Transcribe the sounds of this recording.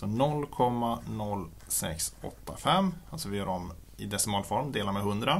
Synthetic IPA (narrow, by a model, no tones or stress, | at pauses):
sɔnɔlːkʰɔmːanɔlː | sɛ̰ksɔ̰t̪ːafɛmːalsɔvɪjœːɖɔm | ɪd̪ɛsɪmɑːlfɔɾmd̪eːlaɾmɛɦɵnd̪ɾa